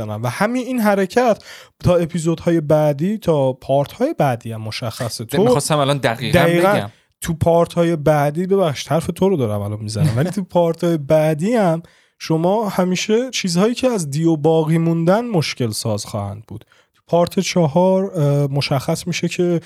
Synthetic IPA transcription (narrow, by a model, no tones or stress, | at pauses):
ænæmvæhæminiːnɦæɾecʰæt̪ʰ | t̪ʰɒːe̞pʰizod̪hɒːje̞bæːd̪iːt̪ʰɒːpʰɒːɾt̪ʰhɒːje̞bæd̪iːæmːo̞ʃæxːæset̪ʰoɒst̪æmælɒnd̪æɣiːd̪æiːeɡæn | t̪ʰupʰɒːɾt̪ʰhɒːje̞bæʔd̪iːbe̞βæxʃi̥d̪hæɾfe̞t̪ʰoɾod̪ɒːɾæ̰mælɒnmizænæ̰mvælit̪ʰupʰɒːɾt̪ʰɒːje̞bæd̪iæm | ʃomɒːhæmiːʃe̞t͡ʃʰiːzhɒːjiːcʰeæzd̪iobɒːɣiːmund̪ænmo̞ʃce̞lsɒːzxɒ̰ːhæ̰nd̪̚buːd̪̥ | t̪ʰu̥pʰɒːɾt̪ʰe̞t͡ʃʰɒɦɒɾmo̞ʃæxːæsmiːʃecʰe̞